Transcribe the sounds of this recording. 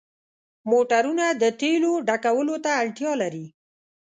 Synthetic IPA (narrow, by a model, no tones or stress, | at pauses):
moʈaɾunad̪əʈeloɖakawəlot̪aːɽʈjɑlaɾi